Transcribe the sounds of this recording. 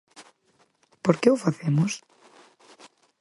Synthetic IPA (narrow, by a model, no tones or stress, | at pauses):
poɾkeʊfaθemʊs